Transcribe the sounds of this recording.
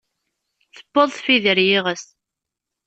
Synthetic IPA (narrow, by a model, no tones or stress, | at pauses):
θə̥bːəðˤθfiðəɾjiʁəs